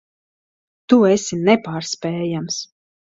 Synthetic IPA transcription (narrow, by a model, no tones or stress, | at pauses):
t̪uesʲinɛpaːɾspɛːjams